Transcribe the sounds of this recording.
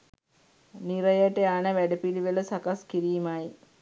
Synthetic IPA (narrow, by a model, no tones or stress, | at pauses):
niɾəjəʈəanəʋæɖəpiliʋələsakaskiɾiːmaj